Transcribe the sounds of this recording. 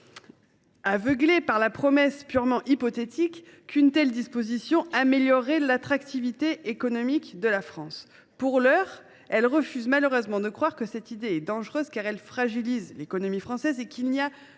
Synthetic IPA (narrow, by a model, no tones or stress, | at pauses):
avəɡlepaʁlapχɔmɛspyʁmɑ̃ʔipɔt̪et̪ʰikːynt̪ɛld̪ispozisjɔ̃ameljɔʁelat̪χakt̪ivit̪eʔekɔnɔmikd̪əlafχɑ̃s | puʁlœʁ | ɛlʁəfyzmaløʁøzmɑ̃d̪əkχwaʁkəsɛt̪id̪eɛd̪ɑ̃ʒʁøzkaʁɛlfχaʒilizlekɔnɔmifχɑ̃sɛzekʰilnia